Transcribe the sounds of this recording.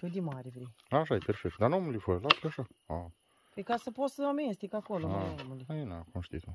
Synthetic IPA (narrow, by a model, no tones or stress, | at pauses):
ʃud̪imaɾʲevɾej | aʃ̬ajeperfek̚t̪̚d̪anomulifəɾəlafeaʃaa | pekasəpot̪səamest̪ekakolomaomuliaenakomʃt̪ḭt̪u